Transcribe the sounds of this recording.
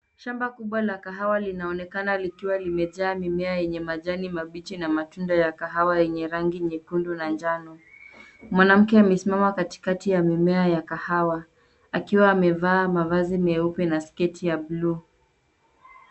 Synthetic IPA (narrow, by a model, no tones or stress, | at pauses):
ʃambakuɓwalakaɦawalinaɔnɛkanalikiwalimɛʄaːmimɛajɛɲɛmaʄanimaɓit͡ʃinamatundajakaɦawajɛɲɛɾaŋɡiɲɛkundunand͡ʒanɔ | mwanam̩kɛamɛsimamakati̥katijamimɛajakahawa | akiwaːmɛvaːmavazimɛupɛnaskɛtʰijablu